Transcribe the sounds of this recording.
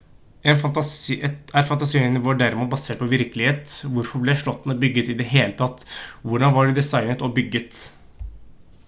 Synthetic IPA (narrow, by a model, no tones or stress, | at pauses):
ɛnt̪ | æɾfɑnt̪ɑsiɪnɪʋoːɖæɾɪmuːt̪̚bɑseːʈ̚pʰɔʋɪɾkəlɪeːt̪ʋʊɾfɔɾblɛæʂɭɔt̪ːn̩ɔbʏɡːət̪ɪd̪ɛɦeːlət̪ʰɑt̪ːʋʊɖɑnʋɑɖɪd̪ɛsɑɪnət̪ɔbʏɡːət̪